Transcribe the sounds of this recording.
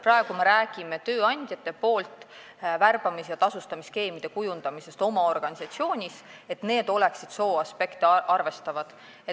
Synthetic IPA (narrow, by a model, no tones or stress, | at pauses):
prɑeɡ̥ume̞ɾæːɡ̥ime̞t̪ø̞ːɑnʲd̪̥ʲjɑt̪ːˑe̞po̞ːlt̪ˑ | værb̥ɑmisjɑt̪ɑsust̪ɑmiske̞ːmid̪̥e̞kujund̪̥ɑmise̞st̪o̞mɑo̞rɡ̥ɑnʲisɑt̪sio̞ːnʲise̞t̪ne̞ːd̪̥o̞le̞ksid̪̥so̞ːɑspe̞kt̪eʔɑrve̞st̪ɑvɑd̪̥ | e